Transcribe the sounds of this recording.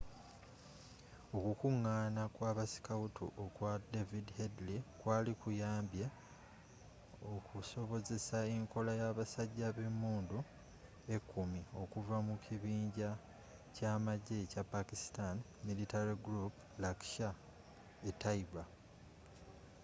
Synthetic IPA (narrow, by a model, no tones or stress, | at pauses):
okukuŋːaːnakwaːβasi̥kautʰṵʔokwadevidhedlikwaːlikujaːmbje | okuso̞βo̞ze̞saeŋko̞lajaβasaɟːaβemuːndu | e̞kʰːumio̞kuvamukʰiβiːɲɟa | caːmaɟːe̞capakisi̥tan | militaɾiɡɾup | lakʃa | etaiba